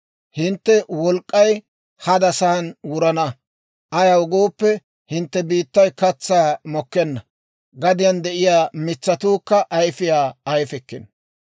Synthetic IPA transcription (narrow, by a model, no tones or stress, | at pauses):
hɪnt̪ːɛwɔlkʼːɐj | hɐd̪ɐsɐhɐnwʊɾɐnɐ | ʔɐjɐwʊɡoːpːɛ | hɪnt̪ːɛbiːt̪ːɐjkɐt͡sːaːmɔkːɛnːɐ | ɡɐd̪ɪjɐnd̪ɛʔɪjaːmɪt͡sːɐt̪uːkːɐʔɐjfɪjaːjfɛkːɪn